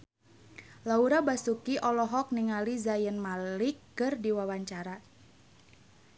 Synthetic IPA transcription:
lauɾabasukiʔɔlɔɦɔk̚niŋalizajənmalikːərdiwawaɲt͡ʃaɾa

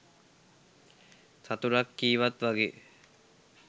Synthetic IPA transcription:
sat̪uɾakːiːʋat̪ʋaɡḛː

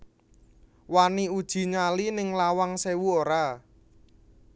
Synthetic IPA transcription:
waniud̥ʒ̥i̤ɲalinɪŋlawaŋsewuoɾa

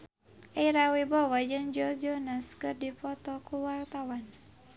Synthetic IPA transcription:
ʔajɾawibɔwad͡ʒənd͡ʒɔd͡ʒɔnaskɨrdipɔt̪ɔkuwart̪awan

